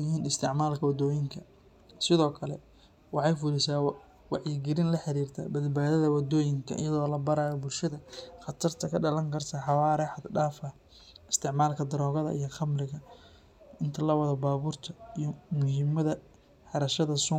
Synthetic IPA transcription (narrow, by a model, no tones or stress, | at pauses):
jɪɦiːnɪst̪ʰɪʕmaːlkʰɐwɑd̪ɔːjɪŋkʰɐ | sɪðɔːkʰɐlɛ | wɑħɑjfʊlɪsaː | wɑʕjiɡɪɾɪnlɐħɑɾiːrt̪ʰɐ̰bɐd̪baːðɐðɐwɑd̪ɔːjɪŋkʰɐ̰ʔɪ̰jɐðɔːlɐbɐɾaːjɔbʊlʃɐðɐχɑt̪ʰɐrt̪ʰɐkʰɐɖɐlɐŋkʰɐrt̪ʰɐħɑwaːɾɛħɑd̪ɖaːfɐ | ɪst̪ʰɪʕmaːlkʰɐd̪ɐɾɔːɣɐðɐ̰ʔijɐχɑmɾɪɣɐ | ɪnt̪ʰɐlɐwɐðɐbaːβuːrt̪ʰɐijɔmʊɦiːmɐðɐ | ħɑɾɐʃɐðɐsʊ